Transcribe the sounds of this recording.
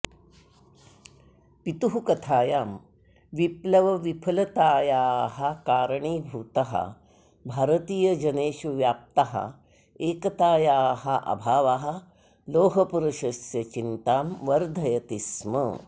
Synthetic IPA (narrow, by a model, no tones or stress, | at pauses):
pit̪uɦukɐt̪ʰaːjaːm | ʋiplɐʋɐʋipʰɐlɐt̪aːjaːɦɐkaːɾɐɳiːbʱuːt̪ɐɦɐ̰ | bʱaːɾɐt̪iːjɐd͡ʒɐneːʃuʋjaːp̚t̪aɦɐ̰ | eːkɐt̪aːjaːɦɐʔɐ̰bʱaːʋaɦɐ̆ | loːɦɐpuɾɐʃɐsjɐt͡ʃint̪aːmʋɐɾd̪ʱɐjɐt̪ismɐ̰